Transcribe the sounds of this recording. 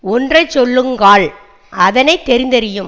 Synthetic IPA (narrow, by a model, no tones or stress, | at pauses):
ɔndrɐɪt͡ʃːɔɭːɯŋɡaːɭ | ʔɐðɐnɐɪt̪ːɛɾɪnd̪ɐɾɪjɯm